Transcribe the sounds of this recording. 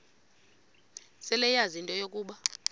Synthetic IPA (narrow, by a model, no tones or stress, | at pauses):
sɛlɛjazintʼɔjokʼuːɓa